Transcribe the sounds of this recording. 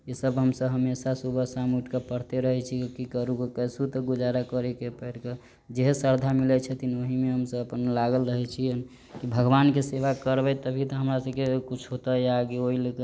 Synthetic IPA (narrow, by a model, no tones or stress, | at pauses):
esəbɦəmsəbɦəmesasubʱəsamuʈkepəɽ̤t̪eɾəɦɛt͡ʃʰikikəɾukekəsut̪əɡud͡ʒaɾakəɾekepəɪʈke | d͡ʒeɦsəɾd̪ʱamilɛt͡ʃʰɛt̪inoɦimeɦəmsəbəpənlaɡəlɾəɦɛt͡ʃʰiən | kibʱəɡʋankeseʋakəɾbɛt̪əbʱit̪əɦəmɾasəbkekut͡ʃʰɦot̪əjaːɡeoɦilekə